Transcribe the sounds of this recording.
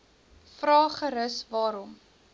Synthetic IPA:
frɑːχəɾəsvɑːɾɔm

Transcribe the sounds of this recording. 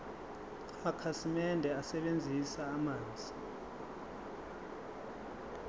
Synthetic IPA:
amakʰasimɛndʱɛasɛɓend͡zʱisaːmaːnd͡zʱi

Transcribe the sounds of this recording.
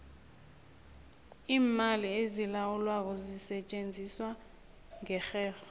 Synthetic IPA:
iːmaliezilawulwak̬ɔzisɛt͡ʃʼend͡zʱiswa | ŋɛxɛːxɔ

